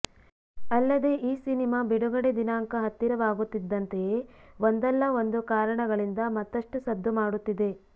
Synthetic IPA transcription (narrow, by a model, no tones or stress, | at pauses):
ɐlːɐd̪e̞ʔiːsinimaːbiɽuɡɐɽed̪inaːŋkɐɦɐt̪ːiɾɐʋaːɡut̪ːid̪ːɐnt̪e̞jeːʋond̪ɛlːɐo̞nd̪ukaːɾɐɳɐɡɐɭind̪ɐmɐt̪ːɐʂʈusɐd̪ʱːumaːɽut̪ːid̪e̞